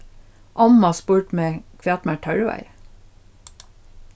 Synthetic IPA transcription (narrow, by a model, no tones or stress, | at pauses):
ʔɑmɑspuːʈmeːkʰʋɛɑːt̪mæʈʰœɹʋæ̰ɪ